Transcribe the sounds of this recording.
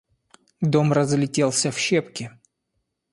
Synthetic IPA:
d̪o̞mrəzlʲɪtʲelˠsʲəfɕepkʲɪ

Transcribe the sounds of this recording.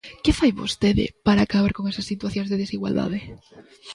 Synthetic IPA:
kefajβo̰st̪eðḛpaɾaːkaβ̞aɾkoŋesasːit̪waθjonzðeðesiɣwa̰ld̪a̰ðe

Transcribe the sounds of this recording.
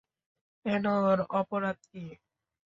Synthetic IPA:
ɛnoɾɔpoɾad̪̚ki

